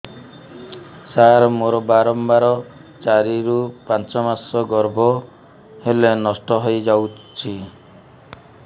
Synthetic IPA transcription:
saɾmoɾɔbaɾɔmbaɾɔt͡ʃaɾiɾupãnt͡ʃɔmasɔɡɔɾbɔ | helenɔsʈɔɦojd͡ʒaw | t͡ʃʰi

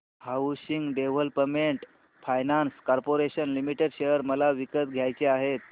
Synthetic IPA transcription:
hawɕiŋɡɖeʋ̤əlpəmeɳʈ | fajnanskɔɾpoɾeɕənlimiʈeɖɕejəɾməlaʋikət̪ɡʱjajt͡ɕeaɦet̪̚

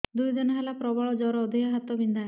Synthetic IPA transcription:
d̪ujd̪ɔnɔɦalapɾɔbaɭɔd͡ʒɔɾɔːd̪ʱijaɦat̪ɔbind̪ʱae

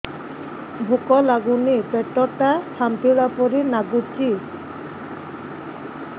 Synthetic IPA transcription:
bʱukɔlaɡunipɛʈːɔʈasʰamt̪iɭapɔɾinaɡut͡ɕi

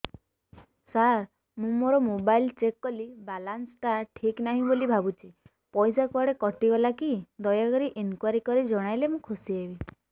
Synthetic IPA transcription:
saɾ | mũmoɾɔmobajlt͡ʃekːɔlibalansʈaʈʰiknaɦĩbolibʱabut͡ʃʰi | pɔjsakaɽekɔʈibɔlakid̪ɔjakɔɾiʔenkwaɾikɔɾid͡ʒɔɽ̃ajlemũkʰusiebi

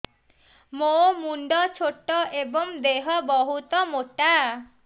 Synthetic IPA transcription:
momuɳɖɔt͡ʃʰoʈːɔʔebɔŋd̪eɦɔbɔɦut̪ɔmoʈa

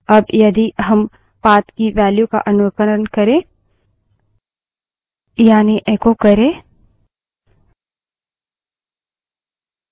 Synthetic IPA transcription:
ɐbjɐd̪iɦɐm | paːt̪kiʋɛːljuka̰ʔɐnʊʋəkəɾənkɐɾẽː | jaːniʔẽːkokɐɾẽː

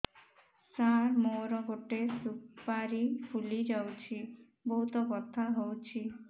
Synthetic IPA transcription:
saɾmoɾɔɡoʈesupaɾipʰulid͡ʒawt͡ʃʰi | bɔɦut̪ɔkɔt̪ʰaɦowt͡ʃʰi

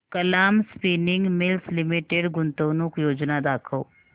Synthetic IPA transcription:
kəlaːmspiːnɪ̃ŋɡmɪlslɪmɪʈeɖɡʊnt̪oːnʊkjoːd͡ʒnad̪aːkʰəː

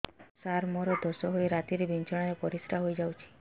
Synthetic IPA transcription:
saɾmɔɾɔd̪ʱosɔɦojɾat̪iɾibʱint͡ʃɔɽ̃aɾepɔɾisʈʰaɦojd͡ʒawt͡ʃʰi̥

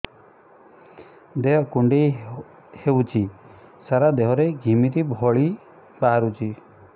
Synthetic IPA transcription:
d̪eɦɔkuɳɖe | hewt͡ʃʰisaɾad̪eɦɔɾeɡʱimit̪ibʱɔɭi | baɦaɾut͡ʃʰi

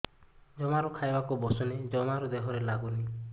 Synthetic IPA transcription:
d͡ʒɔmaɾɔkʰajbakubɔsɔned͡ʒɔmaɾɔd̪eɦɔɾelaɡuni

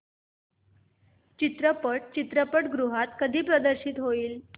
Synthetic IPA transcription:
t͡ɕit̪ɾəpəʈ̚t͡ɕit̪ɾəpəʈɡɾuɦat̪kəd̪ʱiːpɾəd̪əɾɕiːt̪ɦoiːl

